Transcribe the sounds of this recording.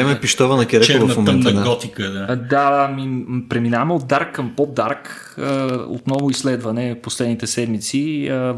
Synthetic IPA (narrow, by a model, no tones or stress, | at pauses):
ɛmɛpiʃt̪ɔvɐnɐkʲɛɾɛovɐfmomɛnd̪aɡɔt̪ikəd̪ad̪amipɾɛminamɛod̪̚d̪aɾkːɐmpɔd̪aɾk | əo̰t̪nɔvʊislɛd̪vɐnɛfposlɛd̪nit̪ɛsɛd̪mit̪siə